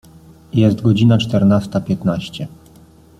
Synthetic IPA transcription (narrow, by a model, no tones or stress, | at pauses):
jɛst̪ɡɔd͡ʑinat͡ʂt̪ɛɾnast̪apʲjɛt̪naɕt͡ɕɛ